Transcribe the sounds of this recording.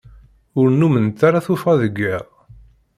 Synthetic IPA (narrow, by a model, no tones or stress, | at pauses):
ʊɾnumənt̪ːaɾaθufɑðəɡːəʁ